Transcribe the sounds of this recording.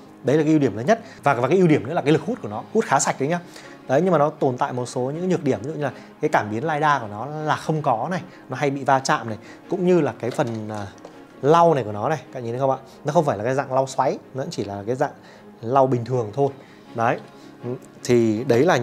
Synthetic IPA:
ɗə˨˦jla˨˩ka˨˦i˧wɗi˧˩əmləː˨˦nɲə˦˥t̚vaː˨˩kaː˨˩kaː˨˦ʔi˧wɗi˧˩əmnɨ̰˧˥aː˨˩kːa˨˦lɨ˨˩k̚hu˦˥t̚ku˧˩nɔ˨˦hu˦˥t̚xaː˨˦sa˨˩k̚ɗə˨˦ɲaː˨˦ | ɗə˨˦jɲɨ˧ŋmaː˨˩nɔ˨˦t̪o˨˩nt̪a̰ː˧˨jmo˨˩t̚so˨˦ɲɨ̰˧˥ŋː˦ɲɨ˨˩ək̚ɗi˧˩əm˨˦ṵ˧˨ɲɨ˧laː˨˩kaː˨˦jkaː˧˩mɓi˨˦nlaː˧jɗaː˧ku˧˩ənɔ˨˦laː˨˩xə˧wŋ͡mkɔ˨˦na˨˩j | nɔ˨˦ɦa˧jɓḭ˧˨vaː˧t͡ɕa̰ː˧˨mna˨˩j | kʊ̰˧˥ŋ͡mɲɨ˧laː˨˩kaː˨˦jfə˨˩nː˨˩ | la˧wna˨˩ku˧˩nɔ˨˦na˨˩jka̰˧˨ŋɲi˧˩ə˨˦xə˧ŋ͡mʔa̰ː˧˨ | nɔ˨˦xə˧ŋ͡mfaː˧˩laː˨˩kːza̰ː˧˨ŋla˧wswa˨˦jzə̰˧˥nt͡ɕi˧˩laː˨˩kaː˨˦jza̰ː˧˨ŋ | la˧wɓï˨˩ŋ̟t̪ʰɨ˨˩əŋt̪ʰo˧j | ɗɔ˨˦j | t̪ʰi˨˩ɗə˨˦jlaː˨˩

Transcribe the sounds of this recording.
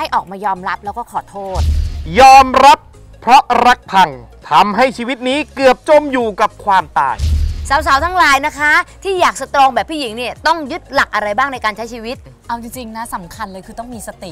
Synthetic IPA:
a˥˩jʔɔː˨˩k̚maː˧jɔː˧mɾa˦˥p̚lɛ˦˥wkɔː˥˩kʰɔː˨˩˦t̪ʰoː˥˩t̪̚jɔː˧mɾa˦˥pʰ | ɾɔ˦˥ɾa˦˥k̚pʰa˧ŋt̪ʰa˧mɦa˥˩jt͡ɕʰiː˧wi˦˥t̪̚niː˦˥kɯ˨˩əp̚t͡ɕo˧mjuː˨˩ka˨˩p̚kʰwaː˧mt̪a̰ː˨˩jsaː˩˦ws̬a˩˦wt̪ʰaː˦˥ŋlaː˨˦jna˦˥kʰa˦˥t̪ʰiː˥˩jaː˨˩k̚sa˧t̪ɾoː˧ŋbɛː˨˩pʰːiː˥˩ji˩˦ŋni˥˩ɐt̪ɔ˥˩ŋju˦˥t̪̚la˨˩k̚ʔa˧ɾa˧jbaː˥˩ŋna˧jkaː˧nt͡ɕʰa˦˥jt͡ɕʰiː˧wi˦˥t̪̚ | ʔa˧wt͡ɕi˧ŋt͡ɕi˧ŋna˦˥sa˩˦mkʰa˧nlɤː˧jkʰɯː˧t̪ɔ˥˩ŋmiː˧sa˧t̪i˨˩

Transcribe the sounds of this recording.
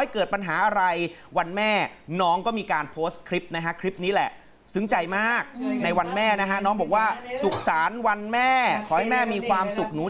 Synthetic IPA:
a˥˩jkɤː˨˩t̪̚pa˧nɦaː˩˦ʔa˧ɾa˧jwa˧nmɛː˥˩nɔː˦˥ŋkɔː˥˩miː˧kaː˧npʰoː˦˥skʰɾi˦˥p̚na˦˥kʰa˦˥kʰɾi˦˥p̚niː˦˥lɛ̰˨˩ʔ | sɯ˦˥ŋt͡ɕa˧jmaː˥˩k̚na˧jwa˧nmɛː˥˩na˦˥kʰa˦˥nɔː˦˥ŋbɔː˨˩k̚waː˥˩su˨˩k̚saː˩˦nwa˧nmɛː˥˩kʰɔː˩˦ha˥˩jmɛː˥˩miː˧kʰwaː˧msu˨˩k̚nuː˩˦

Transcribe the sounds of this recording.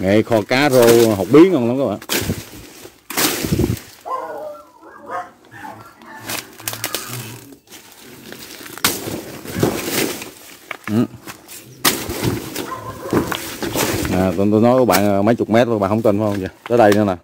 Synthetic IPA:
ŋe˨xɔ˧kaː˨˦zo˧˩ɦo˨˩wk͡p̚ɓi˨˦əŋhɔ˧nla˨˦ŋ͡mkaː˨˦ɓa̰ː˧˨n | ʔɨ˨˩ | naː˨˩t̪t̪o˧jnɔ˨˦jkɔ˧˦ɓa̰ː˧˨nʔəː˨˩mə˨˦jt͡ɕʊ˨˩k͡p̚mɛ˦˥t̚ːɓaː˧˨nhwŋ͡mt̪ə˧˩nfaː˨˦hə˧ŋ͡mzaː˨˩t̪əː˨˦jɗə˧jnɨ˨˧˦naː˨˩

